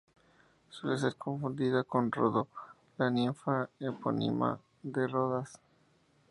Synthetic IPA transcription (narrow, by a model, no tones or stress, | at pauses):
swe̞les̬e̞ɾkʰõ̞ɱfund̪iðako̞nroðo | laniɱfaepo̰nḭma̰ | ðeroðas